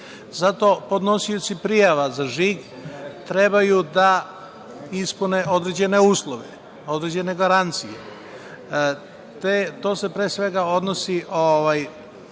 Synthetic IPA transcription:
zat̪o̞po̞d̪no̞sijut͡s̪ipɾijaʋazaʒiɡ | t̪ɾe̞bajud̪a | ispune̞ʔo̞d̪ɾed͡ʑe̞ne̞uːslˠoʋḛ | o̞d̪ɾed͡ʑe̞ne̞ɡaɾant̪sije | t̪et̪o̞ːse̞pɾeːsʋe̞ɡao̞d̪no̞siʔoʋaj

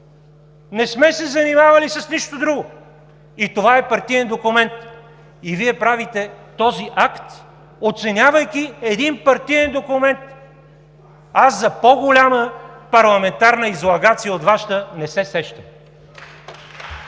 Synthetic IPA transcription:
nɛsmɛsɛzɐnimavɐlisɐsniʃt̪od̪ɾuɡʊ | it̪ovaɛpɐɾt̪ijɛnd̪okʊmɛnt̪ | iviɛpɾavit̪ɛt̪ɔziʔakt̪ | ot̪sɛnʲavɐjkiɛd̪inpɐɾt̪ijɛnd̪okumɛnt̪ | aszɐpoɡolʲaməpɐɾlˠɐmɛnt̪aɾnəizlˠɐɡat̪sijəot̪vaʃt̪ənɛsɛsɛʃt̪ə

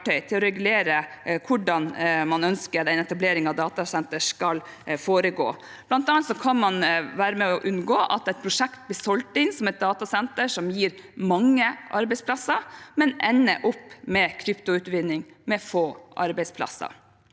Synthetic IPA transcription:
ʈœʏt̪ʰɪlɔɾɛɡʉleːɾəkʰʊɖɑnmɑnœnskəɾɛnɛt̪ɑbleːɾɪŋɑʋd̪ɑːt̪ɑsɛnt̪əʂkɑl | foːɾəɡo̰ː | b̥lɑnt̪ɑnːɑt̪sɔkʰɑnmɑnʋæːɾəmɛɔɔʔʉnɡoːʔɑ̰t̪ɛt̪̚pʰɾʊʂɛkt̪̚bɪsɔlt̪ɪnsɔmɛɪt̪̚d̪ɑːt̪ɑsɛnt̪əʂɔmjiːɾ | mɑŋːəʔɑ̰ɾbɛɪspʰlɑsɑmɛnɛnːə̰ʔʊpːmɛkʰɾʏpt̪ʊʉːt̪ʋɪnːɪŋmɛfoːʔɑ̰ɾbɛɪspʰlɑ̰sɑ̰

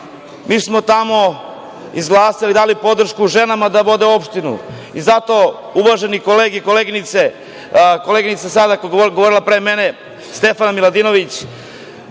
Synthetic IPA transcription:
miːsmo̞t̪amo̞ | izɡlˠaːsilid̪aːlipo̞d̪r̩ʃkuːʒe̞namad̪abod̪eo̞pʃt̪inṵ | izat̪o̞ | uʋaʒe̞nikoleːɡeikoleɡinit̪se | koleɡinit̪sasad̪akoɡoʋo̞ɾilˠapɾeːmene̞ | st̪e̞fanamilad̪ino̞ʋit͡ɕ

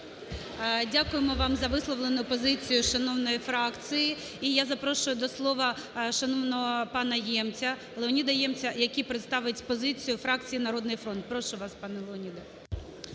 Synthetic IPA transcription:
dʲakʊjemɔʋɑmzɐʋɪslˠɔʋlˠenʊpɔzɪt͡sʲijʊʃɐnɔʋwnɔjifɾɑkt͡sʲiji | ijazɐpɾɔʃʊjʊd̪ɔslˠɔʋɐʃɐnɔʋnɔɦɔpɑnɐjɛmt͡sʲɐ | lˠeɔnʲid̪ɐjɛmt͡sʲɐjɐkʲipɾet̪st̪ɑʋɪtʲpɔzɪt͡sʲijʊfɾɑk̚t͡sʲijinɐɾɔd̪nɪjfɾɔnt̪̚pɾɔʃʊʋɑspɑnɛlˠeɔnʲid̪ɐ

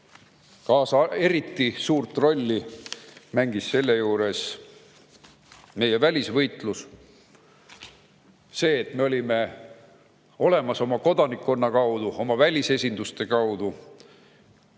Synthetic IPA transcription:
kɑːsɑe̞ɾit̪ːisuːrt̪ro̞lʲːi | mæŋɡ̥isse̞lːejuːɾe̞s | me̞jevælʲisvɤjt̪ˑlus | se̞ːt̪me̞o̞lʲime̞ | o̞le̞mɑso̞mɑko̞d̪̥ɑnikːo̞nːɑkɑwd̪̥uo̞mɑvælʲise̞sʲind̪̥ust̪e̞kɑwd̪̥u

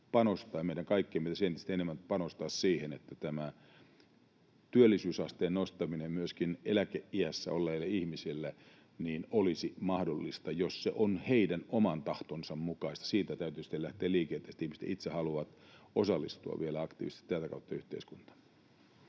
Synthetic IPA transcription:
pɑnost̪ɑːjɑmeiɾæŋkɑikːieːmit̪æsent̪ist̪enemːænpɑnost̪ɑːssiːhenet̪ːæt̪æmæ | t̪yølːisyːsɑst̪eːnnost̪ɑminemmyøskinʔelækeʔiæsːæ̰olːeilːɑihmisilːæ | niːnolisimɑhdolːist̪ɑjossḛʔonheidænʔomɑnt̪ɑht̪onsɑmmukɑist̪ɑ̥siːt̪æt̪æyt̪yːsi̥t̪ːelæht̪eːliːkeːt̪ːˑest̪ihmist̪æ̰it̪sehɑluʋɑt̪osɑlːḭst̪uɑ̰ʋʋielæɑkt̪ḭːʋist̪i̥t̪ːæːt̪ækɑ̰ut̪ːɑyht̪ḛiskunt̪ɑ̥

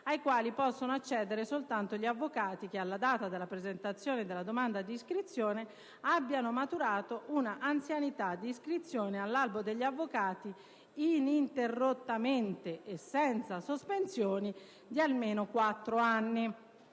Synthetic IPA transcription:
ajkwaːlipɔsːonoat͡ʃːɛːd̪eɾesolt̪ant̪oʎiavːokaːt̪ik̟ealːad̪aːt̪ad̪elapɾezent̪at̪sːjoːned̪elːad̪omand̪ad̪iiskɾit̪sːjoːne | abːjanomat̪uɾaːt̪oʔunaʔant̪sjanit̪ad̪ːiːskɾit̪sːjoːnealːalbod̪eʎːiavːokaːt̪i | inint̪erːot̪ːament̪eesːɛnt̪sasospensjoːni | d̪ialmeːnokwat̪ːɾoanːi

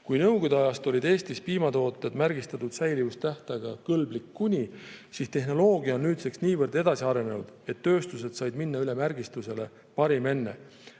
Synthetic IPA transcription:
kujnɤwɡ̥od̪eɑjɑst̪o̞lʲid̪e̞ːst̪ispiːmɑt̪o̞ːt̪ːˑe̞d̪mærɡist̪ɑt̪ud̪̥sæjlivust̪æht̪ɑɡ̥ɑkɤlblikːunʲisist̪e̞ɦno̞lo̞ːɡiɑonːyːt̪se̞ksniːvɤrd̪e̞d̪̥ɑsiɑɾe̞ne̞nud̪̥e̞t̪ːø̞ːst̪use̞d̪̥sɑjd̪̥minːɑyle̞mærɡ̥ist̪use̞le̞ | pɑɾime̞nːe̞̰

